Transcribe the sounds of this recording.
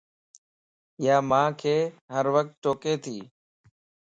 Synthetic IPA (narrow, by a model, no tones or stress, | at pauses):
ɪjaːmãːkʰeːɦəɾʋək̚t̪̚t͡ʃoːkeːt̪ʰiː